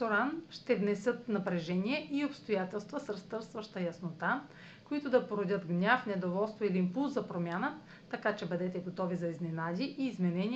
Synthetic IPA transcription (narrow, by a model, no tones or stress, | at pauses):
oɾanʃt̪ɛvnɛsɤt̪nɐpɾɛʒɛniɛʔiopst̪ojat̪ɛlˠst̪vəsɾst̪ɤɾst̪vɐʃt̪əjɐsnot̪a | koit̪ʊd̪ɐpoɾod̪ʲət̪ɡnʲafnɛd̪ovɔlˠst̪voiliːmpulˠzzɐpɾomʲjanə | t̪ɐkat͡ʃɛbəd̪ɛt̪ɛɡot̪ɔvizɐiznɛnad̪ʲiʔiːzmɛnɛnʲi